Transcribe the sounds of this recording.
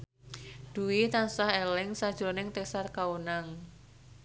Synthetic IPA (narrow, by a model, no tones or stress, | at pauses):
d̪̥uwit̪ansahelɪŋsad̥ʒ̥ɾonɪŋt̪esarkaunaŋ